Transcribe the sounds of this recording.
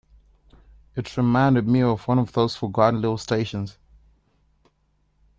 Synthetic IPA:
ɨtɹɪmãɪ̃ndɨd̚miəvwʌ̃nəvðoʊz̥fəɡɑn̩lɪvl̩ˠsteɪʃə̃nz̥

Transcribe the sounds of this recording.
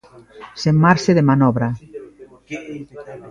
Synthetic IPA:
seŋmaɾseðemanɔβɾa

